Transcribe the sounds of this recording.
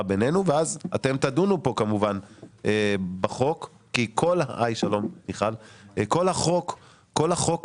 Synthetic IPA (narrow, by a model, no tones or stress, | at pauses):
abenenuveazat̪e̞mt̪adunupo̞kamuvanʔebaχo̞kː | ikʰo̞lha̰ʔajʃalo̞mniχalko̞lhaχo̞kː | o̞lhaχo̞k